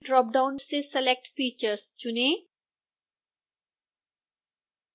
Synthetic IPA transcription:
ɖɾɔːp̚ɖaʊ̃nsesɛlɛk̚ʈfiːt͡ʃəɾst͡ʃʊnẽː

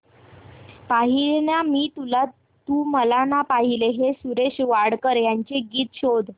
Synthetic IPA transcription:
paɦiɭɳjamiːt̪ula | t̪uːməlanapaɦileɦesuɾeɕʋaɽkəɾjaɲt͡ɕeɡiːt̪ɕod̪

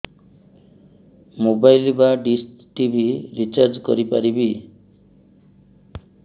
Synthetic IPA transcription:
mobajlbaɖis | ʈibʱiɾit͡ʃaɾd͡ʒkɔ̰ɾipaɾibi

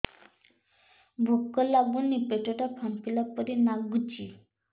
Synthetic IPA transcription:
bʱukːɔlabunːipeʈoʈapʰampilapɔɾinaɡut͡ɕi

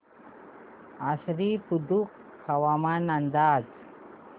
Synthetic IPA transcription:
asɾipud̪uk | hɐwamanand̪aːd͡z

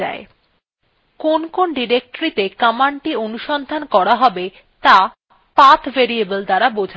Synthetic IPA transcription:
a̰e | konkonɖiɾek̚ʈoɾit̪ekamaɳʈionuʃɔnd̪ʱankɔɾaɦɔbe | t̪a | pat̪ʰveɾiebəld̪aɾabod͡ʑʱa

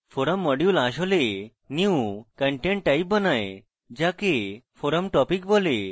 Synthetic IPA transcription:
pʰoɾəmːɔɖjulaʃ̬ole | niukəɳʈeɳʈ̚ʈajp̚bənaj | d͡ʒakepʰoɾəmʈɔpik̚bɔle

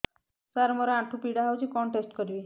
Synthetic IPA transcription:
saɾmɔɾɔaʈʰupiɽaɦawt͡ʃʰikɔɳʈesʈkɔɾibi

